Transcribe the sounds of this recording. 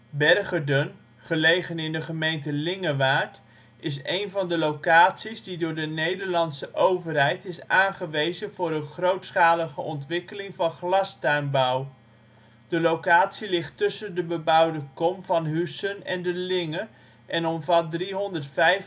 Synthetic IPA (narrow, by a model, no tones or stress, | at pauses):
bɛrχədən | χəlejχənɪndəχəmejntəlɪŋəʋaːɹt | ɪs̬ejnvɑndəlowkaːtsizdidʊːɹdənejdəɹlɑnsəʔowvərɦɛjtɪsaːnχəʋejzənvʊːɾənχrowtsχaːləχəʔɔntʋɪkəlɪŋvɑnχlɑstœɥmbʌw | d̥əlowkaːtsilɪχtːɵsəndəbəbʌwdəkɔmvɑnɦysənɛ̰ndəlɪŋə | ʔɛnɔmvɑt̚driɦɔndəɹtfɛj